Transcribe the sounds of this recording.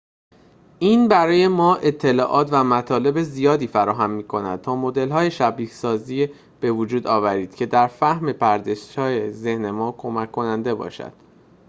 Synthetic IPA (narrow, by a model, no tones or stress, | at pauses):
ʔiːnbæɾɒːje̞mɒːʔe̞t̪ʰːe̞lɒːʔɒːt̪væmæt̪ʰɒːle̞be̞zijɒːd̪iːfæɾɒːɦæmːiːkʰo̞næ̰d̪̥̚t̪ʰɒːmo̞d̪e̞lɦɒːje̞ʃæbiːcsɒːziː | b̥e̞vod͡ʒuːd̪ɒːvæɾiːd̪̥cʰe̞d̪æɾfæhme̞pʰæɾd̪e̞ʃt̪ɒːjeze̞hne̞mɒːkʰomækʰːo̞nænd̪e̞bɒ̰ːʃæ̰d̪̥